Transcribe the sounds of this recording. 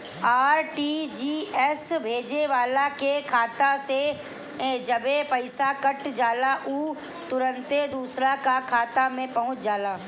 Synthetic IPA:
aːɾʈiːd͡ʒiːɛsbʱeːd͡ʒeʋaːlakekʰaːt̪ase | d͡ʒɐbepɐɪsakɐʈd͡ʒaːlaʔuː | t̪ʊɾə̃nt̪ed̪uːsɾakakʰaːt̪amẽpɐɦʊ̃t͡ʃʰd͡ʒaːlaː

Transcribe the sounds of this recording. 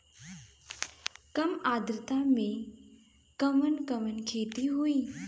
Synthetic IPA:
kɐmaːd̪ɾɪt̪amẽ | kɐmənkəmənkʰeːt̪iɦuiː

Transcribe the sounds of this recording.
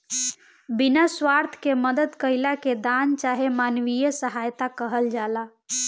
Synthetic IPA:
binaswaɾt̪ʰkeməd̪əd̪kəɪlaked̪ant͡ʃaɦemanʋijəsəɦajt̪akəɦəld͡ʒala

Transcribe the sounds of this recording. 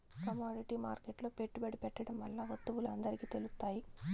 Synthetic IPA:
kɐmaːɖiʈiːma̰ːɾkeʈloːpeʈːubɐɽipɛʈːɐɽɐmʋɐlːaʋɐt̪ːuʋuluɐnd̪ɐɾikiːt̪e̞lust̪ːaːji

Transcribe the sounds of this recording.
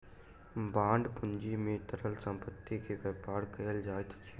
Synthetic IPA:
bãːɳɖpʊnd͡ʒimẽt̪əɾəlsə̃mpət̪ːikeʋɛːpaːɾkɐjəld͡ʒaːt̪t͡ʃʰiː

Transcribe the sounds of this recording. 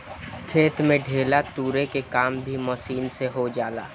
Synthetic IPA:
t̪ʰeːt̪mẽɖʱeːlat̪uːɾekekaːmbʱimɔʃiːnseɦod͡ʒaːla̰ː

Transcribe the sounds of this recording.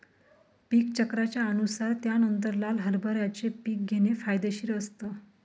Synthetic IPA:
piːkt͡ɕəkɾat͡ɕjaənusaɾt̪janənt̪̬əɾlalɦəɾbʱəɾjat͡sepiːk̚ɡʱenefajd̪eɕiːɾəst̪ə

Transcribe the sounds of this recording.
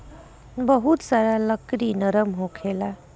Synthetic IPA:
bəɦut̪saɾaləkɾinəɾəmɦokʰela

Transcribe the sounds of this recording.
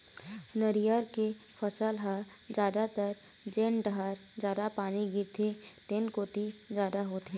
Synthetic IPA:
nəɾijəɾke | fəsəlɦa | d͡ʒjaːd̪at̪əɾ | d͡ʒeːnɖəɦaːɾd͡ʒjaːd̪apaːniɡɪɾt̪ʰeʈeːnkoːt̪izjaːd̪aɦoːt̪ɦẽː

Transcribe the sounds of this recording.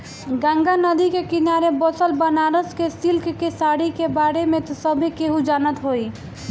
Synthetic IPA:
ɡãŋɡanəd̪ikekinaɾebɔsəlbənaɾəskesilkkesaɽikebaɾemet̪ɔsəbʱikeɦũd͡ʒanət̪ɦoi

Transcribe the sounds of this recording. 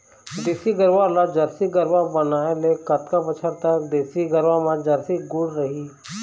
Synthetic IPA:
d̪eːsiɡəɾʋalad͡ʒəɾsiɡəɾʋabənaːelekət̪kabət͡ʃʰəɾt̪əkd̪eːsiɡəɾʋamãd͡ʒɐɾsiɡʊɽɾəɦi

